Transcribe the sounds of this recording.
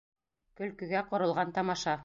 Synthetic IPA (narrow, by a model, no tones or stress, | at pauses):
kɵ̆lkɵ̆ɡæqŏɾɤ̆lˠʁɑnt̪ɑmɑʃɑ